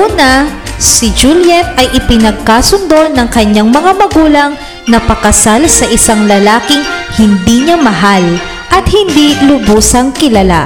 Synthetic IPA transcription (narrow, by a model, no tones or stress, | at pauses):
ʔuːnɐ | sɪd͡ʒuljɛt̪̚ɐjʔɪpɪnɐɡ̚kasʊnd̪o̞nɐŋkɐɲaŋmɐŋamɐɡuːlɐŋ | nɐpɐkɐsalsɐʔɪsaŋlɐlaːkɪŋhɪnd̪iːɲamɐɦal | ʔɐt̪̚hɪnd̪ilʊbuːsɐŋkɪlɐla̰